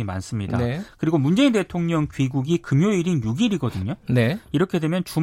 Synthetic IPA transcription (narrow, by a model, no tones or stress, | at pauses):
ima̰ns͈ɯmɲidakɯɾiɡomund͡ʑe̞inde̞tʰoŋɲʌŋkɥiɡuɡikɯmjoiɾinjuɡiɾiɡʌdɯɲoneiɾʌkʰe̞dwe̞mjʌnt͡ɕu